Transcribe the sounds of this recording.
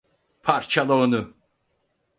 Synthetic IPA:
pʰaɾt͡ʃʰalˠonu

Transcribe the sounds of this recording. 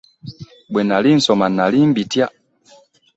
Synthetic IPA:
bwɛnalin̩sɔmanalimbitja

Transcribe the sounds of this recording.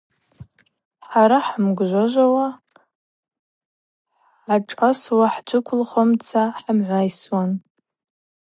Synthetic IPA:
ħaɾaħamɡʒʷaʒʷawa | aʈ͡ʂʼaswaħd͡ʒʷɨkʷʰʊlχomt͡sʰaħamʕʷajswan

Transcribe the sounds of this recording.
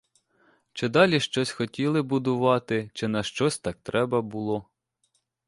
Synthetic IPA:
t͡ʃɪd̪ɑlʲiʃt͡ʃɔsʲxɔtʲilˠɪbʊd̪ʊʋɑt̪ɪt͡ʃɪnɐʃt͡ʃɔsʲt̪ɑk̚t̪ɾɛbɐbʊlˠɔ

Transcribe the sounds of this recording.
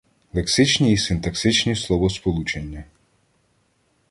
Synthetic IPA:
lˠeksɪt͡ʃnʲiːsɪnt̪ɐksɪt͡ʃnʲislˠɔʋɔspɔlˠut͡ʃenʲːɐ

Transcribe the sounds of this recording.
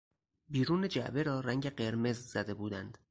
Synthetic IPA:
biːɾuːned͡ʒæ̰ʔbe̞ɾɒːɾæŋɟe̞ɢe̞ɾme̞zz̥æd̪e̞buːd̪ænd̪̥

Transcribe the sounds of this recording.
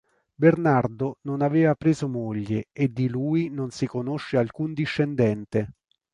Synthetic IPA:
bernard̪ononaveːvapɾeːzomoʎːeed̪ːiluːinonsikonoʃːealkund̪iʃːend̪ɛnt̪e

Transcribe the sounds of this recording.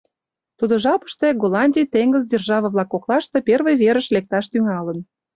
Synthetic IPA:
t̪ud̪ŏʒɑpə̥ʃt̪eɡolɑnʲdʲijt̪eŋɡəzdʲerʒɑβə̆βlɑkːoklɑʃt̪e̽pʲervə̆jβeɾə̆ʃlek̚t̪ɑʃt̪yŋɑlə̆n

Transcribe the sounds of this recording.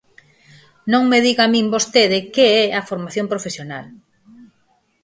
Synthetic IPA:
nõŋmeðiɣamĩmbost̪eðɪkeɛafoɾmaθjõmpɾofesjonal

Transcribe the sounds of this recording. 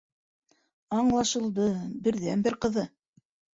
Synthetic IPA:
ɑɴlˠɑʃɤ̆lˠd̪ɤbɘ̆ɾðænbɘɾqɤ̆ðɤ

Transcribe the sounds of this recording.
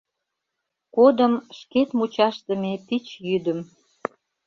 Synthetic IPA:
kod̪əmʃket̪mut͡ɕɑʃt̪ə̆mepit͡ɕjyd̪ə̆m

